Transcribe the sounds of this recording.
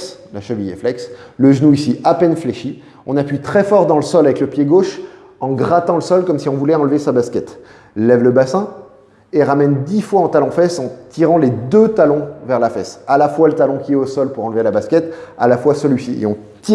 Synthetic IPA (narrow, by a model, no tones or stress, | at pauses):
s | laʃəvijḛflɛksləʒnuisiʔapɛnfleʃi | ɔ̃napɥit̪χɛfɔʁd̪ɑ̃ləsɔlavɛkləpjeɡoʃ | ɑ̃ɡʁat̪ɑ̃ləsɔlkɔmsiɔ̃vulɛɑ̃lvesabaskʲɛt̪ | lɛvləbasɛ̃ | eʁamɛnd̪ifwaɑ̃t̪alɔ̃fɛsɑ̃t̪ʰiʁɑ̃led̪øt̪alɔ̃vɛʁlafɛsalafwalət̪alɔ̃kʲiɛosɔlpuʁɑ̃lvelabaskʲɛt̪a̰lafwasəlɥisiḛɔ̃ | t̪i